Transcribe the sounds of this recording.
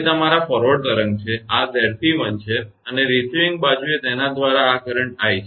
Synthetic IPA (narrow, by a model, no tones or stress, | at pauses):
t̪əmaɾafɔɾʋəɖ̚t̪əɾə̃ŋɡ̚t͡ʃʰead̪ɛɾt̪ʰimənt͡ʃʰe | əneɾit̪ʰuɪŋɡ̚bad͡ʒuet̪enad̪ʋaɾaːkəɾəɳajt͡ʃʰ